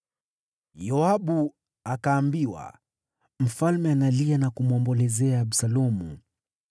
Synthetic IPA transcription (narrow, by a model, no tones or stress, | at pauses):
jɔaɓu | akaːmbiwa̰ | m̩falmɛanalianakumwɔmbɔlɛzɛaːɓsalɔmṵ